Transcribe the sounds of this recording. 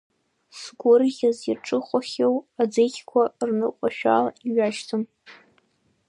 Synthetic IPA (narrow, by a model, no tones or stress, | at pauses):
sɡʷʊrɣʲazirʈ͡ʂʼɨχʷaχʲewad͡zekʲʰkʷʰarnɨkʷʼaʃᶣa̰laiɥaʃtʰɨm